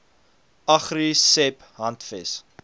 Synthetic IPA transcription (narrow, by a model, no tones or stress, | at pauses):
ɐχrisɛp | ɦɐntfɛs